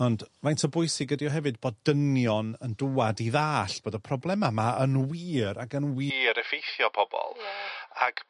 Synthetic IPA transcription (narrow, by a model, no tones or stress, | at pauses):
ɔndmajntʰɔbʊjsɪɡədiɔɦɛvɨd̚bɔddənjɔnəndʊadiðaːɬb̥oːdəpʰrɔblˠɛmamaənwiːɾaɡənwiɾəfejθjɔpʰɔb̥ɔ̰lˠaɡ̥